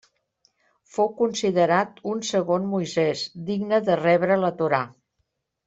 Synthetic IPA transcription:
fowkunsiðəɾat̪unsəɣonmujzɛzd̪iɡnəðərɛβɾələt̪uɾa

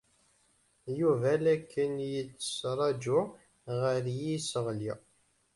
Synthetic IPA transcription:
juvælækːənjət͡sːə̥sɾˤɑd͡ʒʊ | ʁəɾjisəʁli

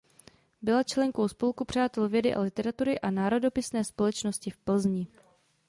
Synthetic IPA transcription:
bɪlat͡ʃlɛŋko̞wspo̞lkupr̝̥aːt̪ɛlvjɛdɪʔa̰lɪt̪ɛɾat̪uɾɪʔanaːɾo̞do̞pɪsnɛːspo̞lɛt͡ʃnoscɪfpl̩zɲɪ

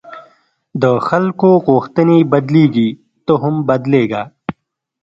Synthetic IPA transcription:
d̪əxɐlkoɣoːxt̪ənibɐd̪liːɡi | t̪oɦʊmbɐd̪leːɡaː

